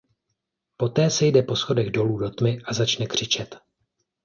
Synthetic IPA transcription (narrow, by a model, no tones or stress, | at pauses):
po̞t̪ɛːsɛjdɛpo̞sxo̞dɛɣdo̞luːdo̞t̪mɪʔazat͡ʃnɛkr̝̥ɪt͡ʃɛt̪